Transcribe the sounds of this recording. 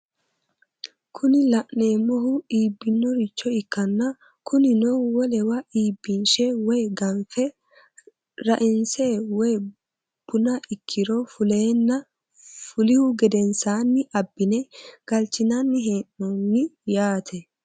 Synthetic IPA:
kʰʊnɪlɐʔneːmɔɦʊiːbːɪnːɔɾɪt͡ʃːɔɪkːɐnːɐ | kʊnɪnɔwɔlɛwɐʔiːbːɪnʃɛwɔjɡɐnfɛ | ɾɐʔɪnseːwɔj | b̥ʊnɐʔɪkʰːɪɾɔfʊleːnːɐ | fʊlɪhʊɡɛd̪ɛnsaːnːɪʔɐbːɪnɛɡ̥ɐlt͡ʃːɪnɐnːɪɦe̞ːnːɔnːɪjaːt̪ʰɛ

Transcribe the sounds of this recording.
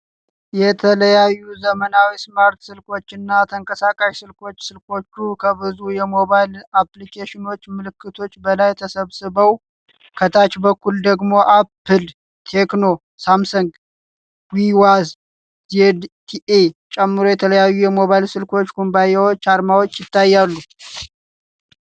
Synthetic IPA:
jɛt̪ʰələjajːuzəmənawismaɾt̪sɨlko̞t͡ʃːɪnːat̪ʰəŋkʼəsakʼaʃsɨlkʰo̞t͡ʃːsɨlkʰo̞t͡ʃːukʰəβɨzujɛmo̞βajlaplikʰeʃɪno̞t͡ʃːmɨlɨkːɨt̪ʰo̞t͡ʃːbəlajɛt̪ʰəsəβsɨβəw | kʰət̪ʰat͡ʃbəkːuld̪əɡmo̞ʔapʰːɨl | t̪ʰe̞kno̞ | samsuŋɡ | wiwaz | ded̪t̪ʰiʔet͡ʃʼɛmːɨɾo̞jɛt̪ʰələjajːujɛmo̞βajlsɨlkʰo̞t͡ʃːɡʰombajewot͡ʃːaɾmawot͡ʃːjɪt̪ːajːalːu

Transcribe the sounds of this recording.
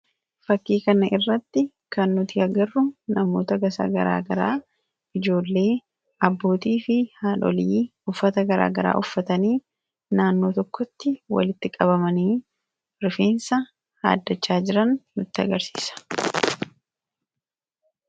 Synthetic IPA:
fɐkːiːkɐnɐʔɪrːɐt̪ːɪ | kɐnːʊt̪ɪɐɡɐrːʊnɐmo̞ːt̪ɐɡɐsa̰ɡɐɾa̰ːɡɐɾa̰ː | ɪd͡ʒo̞ːlːe̞ː | ʔɐbːo̞ːt̪iːfɪhaːnɔ̰liːʊfːɐt̪ɐɡɐɾa̰ːɡɐɾa̰ːʔʊfːɐt̪ɐniː | naːnːo̞ːt̪ɔkːɔt̪ːɪwɐ̰lɪt̪ːɪkʼɐbɐmɐniː | ɾfeːnsɐ | ha̰ːd̪ːɐt͡ʃːaːd͡ʒɪɾɐnːʊt̪ːɪɐ̰ɡɐɾsi̥ːsɐ̥

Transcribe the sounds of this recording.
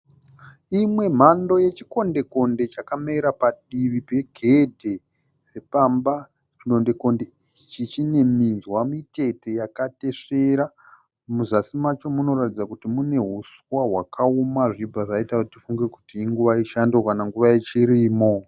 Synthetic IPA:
imwe̞m̤ando̞je̞t͡ʃiko̞nde̞ko̞nde̞t͡ʃakameiɾapaɗiʋipe̞ɡʱe̞dʱe̞ | repamba | ridonde̞ko̞nde̞it͡ʃit͡ʃit͡ʃine̞minzwamite̞te̞jakate̞ʂeɾa | muzasimat͡ʃo̞muno̞ɾatid͡zakutimune̞ɦuswaɦwakʰaumaʐibʱaʐaitautifuŋɡe̞kutiːŋɡuʋaiʃandokanaŋɡuʋajet͡ʃiɾiːmo̞

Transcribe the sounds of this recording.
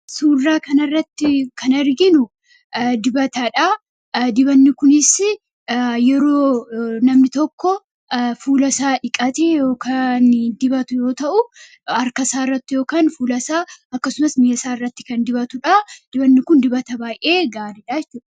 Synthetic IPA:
suːrːaːkɐnɐrːɐt̪ːɪkʰɐnɐɾɡɪnʊ | d̪ɪbɐt̪ɐᶑɐ | d̪ɪbɐnːɪkʊnɪsɪ | jɛɾo̞ːnɐmnɪt̪ɔkːɔ | fuːlɐsaːᶑɪkʼɐt̪eːjo̞ːkʰand̪ɪbɐt̪ʊjo̞ːt̪ɐʔʊ | ɐɾkɐsaːɪrːɐt̪ːɪjoːkaːnfuːlɐsaːɐkːɐsʊmɐsmɪjɐsaːɪrːɐt̪ːɪ̥kɐnd̪ɪbɐt̪ʊᶑɐd̪̥ɪbɐnːɪkʊnd̪ɪbɐt̪ɐbaːjʔe̞ːɡaːɾɪᶑaːɛt͡ʃːʊᶑɐ

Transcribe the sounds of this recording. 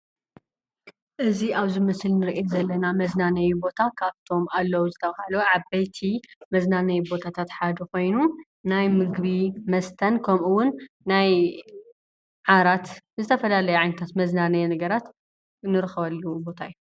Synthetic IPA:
ʔɨziʔaβzimɨslnɨɾʔezɐlːɐnamɐznanɐjubo̞t̪ʰakʰaβt̪ʰo̞malːɐwuzɨt̪ʰɐβahɐlɐwʕabɐjt̪ʰimɐznanɐjubo̞t̪ʰat̪ʰat̪ħad̪ɐko̞jnu | najmɨɡβimɐst̪ʰɐnkʰɐmʔuwʊnː | aj | ʕaɾat̪zɨt̪ʰɐfɐlalɐjuʕajnɐt̪ʰat̪mɐznanɐjnɐɡɐɾat̪ | nɨɾɨxβɐlːubo̞t̪ʰajːu

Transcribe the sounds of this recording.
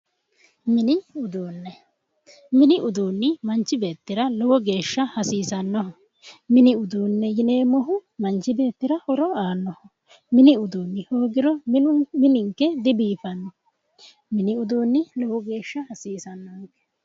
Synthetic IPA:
mɪnɪʊd̪uːnːɛ | mɪnɪʔʊd̪uːnːɪmɐnt͡ʃːɪbe̞ːt̪ːɪɾɐlɔwɔɡe̞ːʃːɐhɐsiːsɐnːɔhɔ | mɪnɪʊd̪uːnːɛjɪne̞ːmɔɦʊmɐnt͡ʃːɪbe̞ːt̪ːɪɾɐhɔɾɔaːnːɔhɔ | mɪnɪʊd̪uːnːɪhoːɡɪɾɔmɪnʊmɪnɪŋkːɛd̪ɪbiːfɐnːɔ | mɪnɪʊd̪oːnːɪlɔwɔɡe̞ːʃːɐhɐsiːsɐnːɔŋkɛ̥

